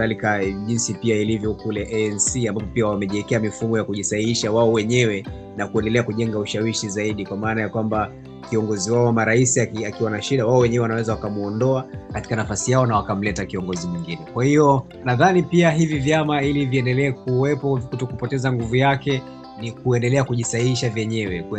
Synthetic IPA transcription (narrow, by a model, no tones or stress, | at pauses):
alikaʄinsipiailivjɔkulɛʔɛɛnsiambavɔpiawamɛʄiɛkɛamifumɔjakuʄisaiiʃawaɔwɛɲɛwɛ | nakuɛndɛlɛakuʄɛŋɡauʃawiʃizaiɗikwamaːnajakwamba | kiɔŋɡɔziwaɔwamaɾaisiakiakiwanaʃiɗawaɔwɛɲɛwɛwanawɛzawakamuɔndɔakati̥kanafasijaɔnawakam̩lɛtakiɔŋɡɔzimwiŋɡinɛkwahiɔ | naðanipiaɦivivjamailiviɛndɛlɛːk̚uwɛpɔkutɔkupɔtɛzaŋɡuvujakɛ | nikuɛndɛlɛakuʄisaiiʃavjɛɲɛwɛk